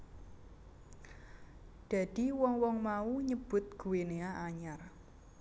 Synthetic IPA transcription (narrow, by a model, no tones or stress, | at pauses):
d̥a̤d̥i̤wɔŋwɔŋmauɲəb̥ʊ̤t̪̚ɡ̥uweneaʔaɲar